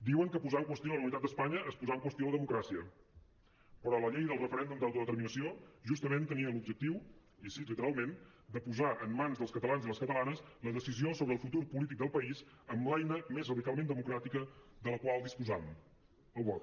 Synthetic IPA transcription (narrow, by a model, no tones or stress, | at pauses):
d̪iwəŋkəpuzaəŋkwəst̪jolənunit̪at̪d̪əspaɲəʔːspuzaəŋkwəst̪joləðəmukɾasiə | pəɾɔləʎɛjðəlˠrəfəɾɛnd̪umd̪awt̪uðət̪əɾminəsioʒust̪əmẽnt̪əniəlub̚d͡ʒək̚t̪iw | isilit̪əɾalˠmen | d̪əpuzaʔəmːanzðəlˠskət̪əlanziðləskət̪əlanəsləðəsiziosoβɾəlˠfut̪uɾpulit̪̬ik̚d̪əlˠpəiz | əmlajnəmezrəðikalˠmẽnd̪əmukɾat̪ikəðələkwalˠd̪ispuzam | əlβɔ